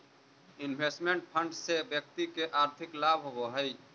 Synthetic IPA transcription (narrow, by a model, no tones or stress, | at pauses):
ɪnbʱeːsʈmeɳʈ̚pʰə̃ɳɖsebjək̚t̪ikeʔaːɾt̪ʰɪklaːbʱɦoɡoɦəi